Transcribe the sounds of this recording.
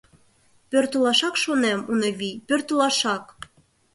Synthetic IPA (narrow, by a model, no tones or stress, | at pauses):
pørt̪ə̆lɑʃɑkʃonemunɤ̆βipørt̪ə̆lˠɑʃɑk